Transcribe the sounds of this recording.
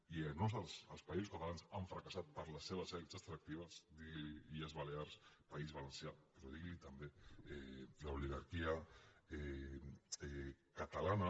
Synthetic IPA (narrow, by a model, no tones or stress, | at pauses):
ianosəsəlˠspaizuskat̪alansaɱfɾakasat̪̚pəɾləsːeβ̞əzɛlsast̪ɾak̚t̪iβ̞əzd̪iɣliiəzβaleaɾspaizβalənsjapɾɔðiɣlit̪ɐmbeɛlauliɣaɾkiaɛ | ɛkat̪alana